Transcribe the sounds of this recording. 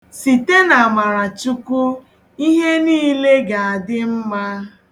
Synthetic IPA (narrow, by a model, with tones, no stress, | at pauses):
si˨te˦na˨a˨ma˨ɾa˨t͡ʃʊ˦kʊ˦ | i˦ɦe˦niː˦le˦ɡa˨a˨dɪ˦m̩˦ma˦